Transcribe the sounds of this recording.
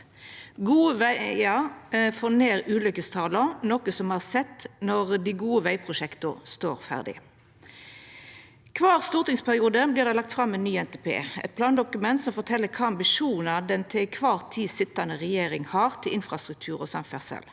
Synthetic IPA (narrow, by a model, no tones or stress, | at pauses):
ɡuːəʋæjɑfoːneːʁʉːlʏkːəst̪ʰɑːlənɔkəsɔmhɑʁsɛt̪ːnɔʁd̪ɪɡuːəʋæɪpʰʁʊʂɛkt̪ʊst̪oːʁfæ̰ʁd̪ɪ̰ | kʰʋɑːʁst̪uːʁt̪ɪŋspʰæʁɪuːd̪əbliːʁd̪ɛɪlɑkt̪fʁɑmːɛnːyːɛnt̪ʰepʰḛːɛ̰t̪̚pʰlɑːnd̪ʊkʉmɛnt̪sɔmfɔt̪ʰɛlːəkʰɑːɑmbɪʂuːnɑd̪ɛnt̪ʰɪkʰʋɑːʁt̪ʰiːsɪt̪ːɑnəʁɛjeːɾɪŋhɑːʁt̪ʰɪlɪnfʁɑst̪ʁʉk̚t̪ʰʉːʁɔsɑmfæ̰ʁsɛ̰l